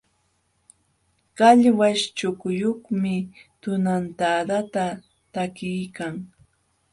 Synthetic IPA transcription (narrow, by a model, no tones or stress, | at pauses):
kaʎwaʃt͡ʃʊkʊjoχmɪt̪ʊnant̪ad̪at̪a | t̪akɪjkaŋ